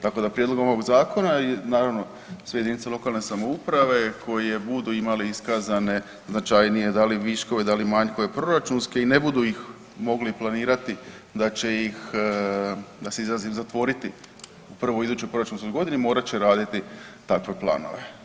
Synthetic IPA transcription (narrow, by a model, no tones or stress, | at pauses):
t̪ako̞d̪apɾije̞d̪lo̞ɡomoʋoɡzaːko̞nanaːɾaʋno̞ | sʋejd̪init̪selo̞kalˠne̞samo̞upɾaʋe̞kʰo̞je̞bud̪uimaliiskazane̞ | znat͡ʃajnije̞d̪aliʋiʃko̞ʋed̪alimaɲkoepɾo̞ɾat͡ʃunske̞ine̞bud̪uix | mo̞ɡliplˠaniːɾat̪i | d̪at͡ɕe̞jix | d̪aseizlazizat̪ʋo̞ɾit̪i | uprʋoid̪uːt͡ʃt͡ɕojpɾo̞ɾat͡ʃunskojɡo̞d̪inemo̞ːɾat͡ɕeɾaːd̪it̪it̪akʋe̞plˠa̰ːno̞̰ʋe̞̰